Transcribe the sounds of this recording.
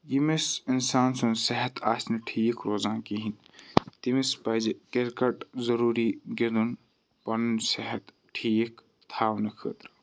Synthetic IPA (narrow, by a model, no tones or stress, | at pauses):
jimesinsaːnsonsɛɦɛt̪ʰaːsniʈʰiːkɾoːzãːkiɦin | t̪imespɐjd͡ʒekeɾkɐʈzɐɾuːɾiɡed̪un | pɐnnsɛɦɛt̪ | ʈʰiːk | t̪ʰaːwnɐkʰəːt̪ɾɐ